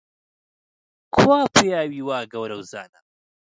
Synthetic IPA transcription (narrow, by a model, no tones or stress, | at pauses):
kʰwaːpʰejaːwiːwaːɡɐwɾɐwza̰ːnɐ